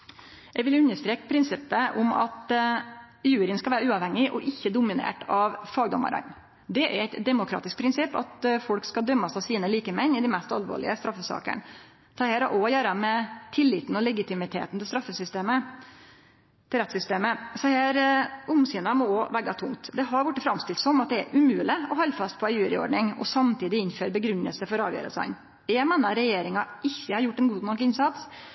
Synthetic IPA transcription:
ɛɡʋɪlʉnːəʂt̪ɾeːkpʰɾɪnsɪpːəʔʊmɑ̰t̪ | jʉːɾɪənskɑʋæːɾəʉːɑʋhɛŋːɪʔɔʔɪçːəd̪ʊmɪnḛːʈɑʋfɑːɡd̪ɔ̰mɑ̰ɾɑ̰ɲ | d̪ɛʔæ̰ɾæɪt̪d̪ɛmʊkʰɾɑ̰ːt̪ɪsk̚pʰɾɪnsɪpːɑ̰t̪fɔlkskɑd̪œmːɑsɑʋsiːnəliːkəmɛnːɪd̪ɪmɛst̪ɑlʋo̰ːɭɪ̰əst̪ɾɑfːəsɑ̰ːkə̰ɳ | t̪ʰɑːheːɾɑʔɔjæːɾəmɛt̪ʰɪlːɪːt̪n̩ɔlɛɡɪt̪ʰɪmɪt̪ʰḛːt̪nt̪ʰɪlst̪ɾɑfːəsʏst̪eːmə | t̪ʰɪlɾɛt̪sʏst̪eːməsɛhæːɾʊmsiːnɑmɔoʋæɡɑt̪ʰʊŋt̪d̪ɛɦɑɾʋʊʈːəfɾɑmst̪ɪlt̪sɔmɑt̪̚d̪ɛæ̰ɾʔʉmʉːlɪɔɦɔlːfɑst̪̚pʰɔɛjʉːɾɪɔ̰ɖɳɪŋɔ̰sɑmt̪ʰiːd̪ɪɪnføːɾbəɡɾʉnːə̰lsəfɔɾɑːʋjø̰ːɾə̰sæ̰ɪn | ɛmɛnɑɾɛjeːɾɪŋɑ | ɪçːəhɑɾjʊʈːɛnɡuːd̪nɔkːɪnsɑt̪s

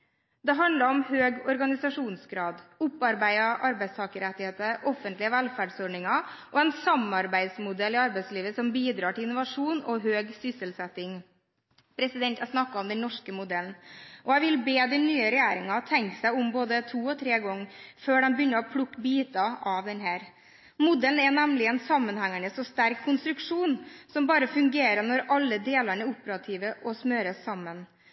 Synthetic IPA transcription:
d̪ɛɦɑnd̪lɑɾɔmhøːɡɔɾɡɑnɪsɑʂuːnsɡɾɑːd̪ʊpːɑɾbæɪɑʔɑɾbæɪst̪ʰɑːkəɾɛt̪ːɪheːt̪əʔɔfːənt̪lɪəʋælfæːɖsɔɖɳɪŋɑʔɔɛnsɑmɑɾbæɪd̪smʊd̪ɛlɪɑɾbæɪsliːʋəsɔmbiːd̪ɾɑːʈɪlɪnʊʋɑʂuːnɔɦøːɡsʏsəlsɛt̪ːɪŋ | pʰɾɛsɪd̪ɛnt̪æsnɑkːɑɔmd̪ɛnnɔʂkəmʊd̪ɛlnʔɔæɪʋɪlbeːd̪ɛnnyːəɾɛjæːɾɪŋɑt̪ʰɛŋksæɪʊmboːd̪ət̪ʰuːɔt̪ʰɾeːɡɔŋːføːɖɛnbəjʏnːəɾɔpʰlʊkːbiːt̪ɑʔɑʋd̪ɛnɦæːɾ | mʊd̪ɛln̩ænæmlɪɛnsɑmːənhæŋæɳəsɔst̪æɾkʰːʊnst̪ɾʉkʂuːnsɔmbɑːɾəfʉŋɡeːɾəɳɔɾɑlːəd̪eːlæɳəɾʊpːəɾɑt̪ʰiːʋəʔɔsmøːɾəsɑmːən

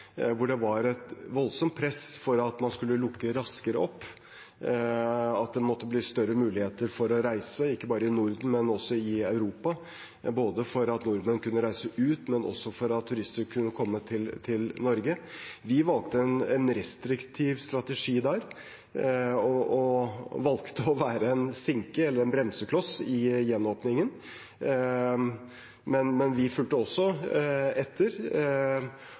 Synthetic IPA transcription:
ʋʊɖɛʋɑɾɛt̪ʋɔlsɔmt̪̚pʰɾɛsfɔɾɑt̪mɑnskʉlːəlʊkːəɾɑskəɾəɔpː | ɑt̪̚d̪ɛmɔt̪ːəblɪːst̪œɾːəmʉːlɪheːt̪əɾfɔɾɔɾæɪsəɪkːəbɑːɾəɪnʊɾd̪n̩mɛnɔsːɔɪɑʉɾuːpɑ | boːd̪əfɔɾɑt̪nʊɾmənkʰʉnːəɾæɪsəʔʉːt̪mɛnʔɔ̰sːɔfɔɾɑt̪ʰːʉɾɪst̪əɾkʰʉnːəkʰɔmːət̪ʰɪlt̪ʰɪlnɔɾɡəʋɪʋɑlk̚t̪əɛnɛnɾɛst̪ɾɪkt̪ʰiːʋst̪ɾɑt̪ɛʂiːd̪æɾ | ɔɔʋɑlkt̪əɔʋæːɾəɛnsɪŋkəɛlːəɾɛnbɾɛmsəkʰlɔsɪjɛnːoːpnɪŋən | mɛnmɛnʋɪfʉlt̪əɔsːɔ | ɛt̪ʰːəɾ

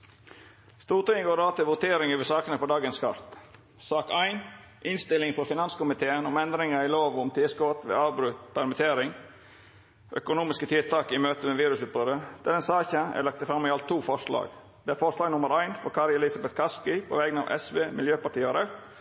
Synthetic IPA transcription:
st̪uːɾʈ̪ɪŋɡoːɾɑːt̪ɪlʋʊt̪ʰeːɾɪŋøːʋəsɑːkənəpɔd̪ɑːɡənskʰɑ̰ɾt̪ | sɑːkæɪn | ʔɪnst̪ɪlɪŋfɔɾfɪnɑnskʊmɪt̪ʰeːənɔmɛnd̪ɾɪŋəɪloːʋʊmt̪ʰɪskɔːt̪ʋḛːɑːʋbɾʉt̪pʰæɾmɪt̪ʰeːɾɪŋ | ʔœ̰kʊnuːmɪskət̪ʰɪlt̪ʰɑːkɪmøːt̪əmeːʋiːɾʉsʉːt̪̚bɾoːd̪əd̪̥æd̪ɛnsɑːçəæ̰ɾlɑk̚t̪əfɾɑmːɪɑlt̪ʰːuːfɔʂlɑ̰ːɡ | d̪̥ɛæːɾfɔʂlɑːɡnʊməɾæɪnfɔɾkʰɑɾjɛlɪsɑbɛt̪kʰɑskɪpʰo̰ʋɛɡnɑ̰ːʋʔɛ̰sʋeːmɪljøːpɑʈiːəɾə

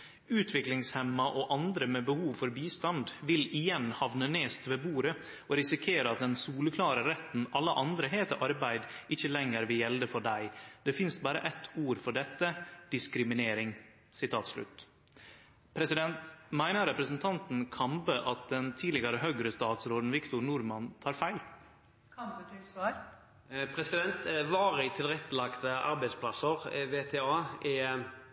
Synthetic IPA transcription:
ʉːt̪ʰʋɪklɪŋshɛmːɑʔoːʔɑnd̪ɾəmɛbəhuːʋfɔɾbiːst̪ɑnd̪ʋɪlɪjɛnhɑʋnəneːst̪ʋeːbuːɾə | ʔoːɾɪsɪkʰeːɾəɑt̪̚d̪ɛnsuːləkʰlɑːɾəɾɛt̪n̩ɑlːəʔɑnd̪ɾəɦeːt̪əʔɑɾbæɪd̪ʔɪçəlɛŋːəɾʋɪljɛld̪əfɔɖæɪd̪ɛfɪnsbɑːɾə̰ʔɛt̪ʰuːɾfɔɖɛt̪ːəd̪̥ɪskɾɪmɪneːɾɪŋ | sɪt̪ʰɑːt̪slʉ̰t̪ː | pʰɾɛsɪd̪ɛnt̪mæɪnəɾɛpɾəsn̩t̪ʰɑnt̪n̩kʰɑmbəʔɑt̪̚d̪ɛnt̪ʰiːlɪɡɑɾəɦœɡɾəst̪ɑːt̪sɾoːd̪n̩ʋɪkt̪ʊɾnuːɾmɑnt̪ʰɑːɾfæɪlʰ | pʰɾɛsɪd̪ɛnt̪ʋɑːɾɪt̪ʰɪlɾɛt̪ːəlɑkt̪əʔɑ̰ɾbæɪspʰlɑsəɾʋeːt̪ʰeːɑːɛ

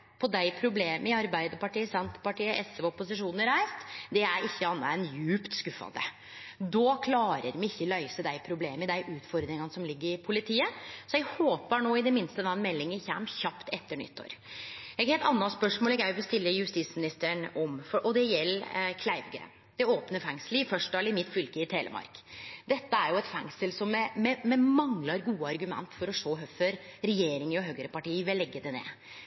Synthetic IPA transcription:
pʰɔd̪æɪpʰɾʊbleːməɪɑɾbæɪd̪əpɑʈiːəsænt̪pɑʈiːəʔɛsʋɔpːʊsɪʂuːnnəɾæɪst̪d̪ɛæɾɪçːəɑnːɑ̰ɛnjʉːpt̪skʉfːɑ̰nd̪ə̰ | d̪ɔːkʰlɑːɾə̰ɾmɪɪçːəlœʏsəd̪æɪpʰɾʊbleːməɪd̪æɪʔʉːt̪fɔɾd̪ɾɪŋɑnəsɔmlɪɡːəɾɪpʰʊlɪt̪ʰiːəsɔɛɡhoːpəɳoːɪd̪ɛmɪnst̪əd̪ɑnmɛlːɪŋəçæmçɑpt̪ɛt̪ːəɳʏ̰t̪ʰːo̰ːɾɛɡheːlt̪ɑnːɑspœʂmoːlɛɡjæʋɪst̪ɪlːəjʉst̪ismɪnɪst̪əɳɔmfɔʔɔd̪ɛjɛlːkʰlæɪʋɡəɾə̰ | d̪̥ɛoːpnəfɛŋsləɪfœʂd̪ɑlɪmɪt̪ːfʏlkəɪt̪ʰeːlə̰mɑ̰ɾkd̪ɛt̪ːəæɾjʊɛt̪fɛ̰ŋsəlsɔmːɛmɛmɛmɑŋlɑɾɡuːəɑɾɡʉmɛ̰nt̪fɔɾɔʂoːɦœføɾɾɛjeːɾɪŋəɾɔɦøːɡəɾəpɑʈiːəʋɛlɛɡːəd̪ɛnḛː

